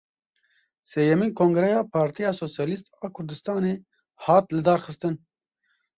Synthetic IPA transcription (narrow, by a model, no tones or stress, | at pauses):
seːjɛmiːnkʰoːŋɡɾɛjɑːpʰɑːɾt̪ijɑːsoːsjɑːlist̪ɑːkʰʊɾd̪ɨst̪ɑːneː | hɑːt̪lɨd̪ɑːɾxɨst̪ɨn